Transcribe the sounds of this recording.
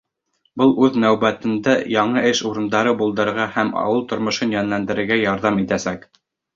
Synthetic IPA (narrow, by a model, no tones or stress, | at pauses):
bɤlˠʉðnæwbæt̪ɘ̆nd̪æjɑɴɤʔɘʃuɾɤ̆nd̪ɑɾɤbulˠd̪ɤ̆ɾʁɑhæmɑ̰wɤlˠt̪ŏɾmŏʃɤnjɑnlænd̪ɘ̆ɾɘ̆ɾɡæjɑɾðɑmit̪æsæk